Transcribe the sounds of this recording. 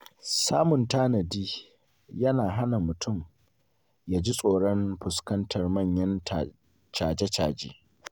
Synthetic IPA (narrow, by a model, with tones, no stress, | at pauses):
saː˦mʊ˨ntaː˦nɐ˨diː˦ | jɐ˦naː˨ɦa˦na˨mʊ˨tʰʊ˦˨m | jaː˨d͡ʒi˦sʼoː˨ɽɔ˦mɸʊ˨skɐ˦ntɐ˨rmɐ˦˨ɲjɐ˦na˨ | t͡ʃaː˨d͡ʒe˦t͡ʃaː˨d͡ʒḛː˦